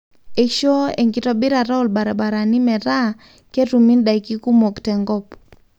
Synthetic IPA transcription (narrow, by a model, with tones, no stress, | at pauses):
e˨kʃo˦e˨ŋɡi˨tɔ˦bi˦ɾa˨ɾa˦u˨lba˨ɾa˨ba˨ɾa˨ni˦mɛ˨ɾa˦ | ke˦ɾu˨mi˦nda˨i˨ki˦ku˦mo˨ktɛ˨ŋɡɔ˦p